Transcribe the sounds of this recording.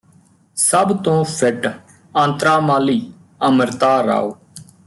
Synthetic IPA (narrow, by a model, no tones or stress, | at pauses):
səbt̪õːpʰɪʈ | ãːnt̪ɾaːmaːliː | əməɾt̪aːɾa̰ːoː